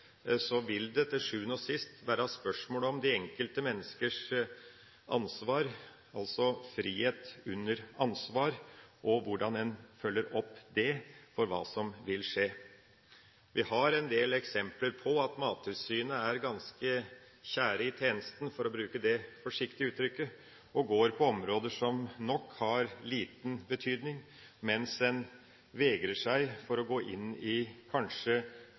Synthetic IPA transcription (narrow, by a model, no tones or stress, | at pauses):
sɔʋɪld̪ɛt̪ʰːɪʂʉːənɔsɪst̪ʋæːɾɑspœʂmoːləɔmd̪ɪɛŋkəlt̪əmɛnːəskəʂ | ʔɑ̰nsʋɑːɾ | ɑlsɔfɾiːheːt̪ʉnːəɾɑnsʋɑːɾʔɔʋʊɖɑnɛnfœlːəɾɔpːd̪ɛfɔɾʋɑ̰ːsɔmʋɪlʂeː | ʋɪhɑɾɛnd̪eːlɛksɛmpləɾpʰɔɑt̪mɑːt̪ʰʉsyːnəæɾɡɑnskə | çæːɾəɪt̪ʰeːnəst̪n̩fɔɾɔbɾʉːkəd̪ɛfɔʂɪkt̪ɪʉːt̪ɾʏkːə | ɔɡoːɾpʰɔɔmɾoːd̪əʂɔmnɔkhɑɾliːt̪n̩bət̪ʰyːd̪nɪŋ | mɛnsɛn | ʋɛɡɾəʂæɪfɔɾɔɡoːʔɪnːɪkʰɑnʂə